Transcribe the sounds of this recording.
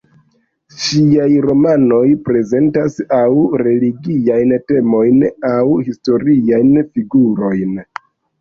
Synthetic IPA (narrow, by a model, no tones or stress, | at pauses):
ʃiajɾo̞mano̞jpɾe̞ze̞ntasawɾe̞liɡiajnte̞mo̞jnawhisto̞ɾiajnfiɡuɾo̞jn